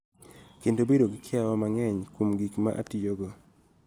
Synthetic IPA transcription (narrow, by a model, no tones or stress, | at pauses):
kendobedoɡɪkʰɪawɔmaŋɛɲkomɡikma̰ʔa̰tijoɡɔ